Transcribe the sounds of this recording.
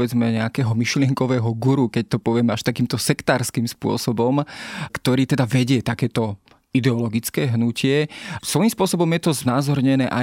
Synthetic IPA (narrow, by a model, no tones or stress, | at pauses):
ʋɛd͡zmɛɲɛakɛːɦɔmiʃlɪɛŋkɔʋɛːɦɔɡuɾukɛc̚t̪ɔpɔʋɪɛmɛaʃt̪akiːmt̪ɔsɛkt̪aːɾskiːmspʊɔ̰sɔbɔmkt̪ɔɾiːt̪ɛd̪aʋɛɟɪɛt̪akɛːt̪ɔ | id̪ɛɔlɔɡit͡skɛːɦnucɪɛsʋɔjimspʊɔsɔbɔmjɛt̪ɔznaːzɔɾɲɛnɛːʔa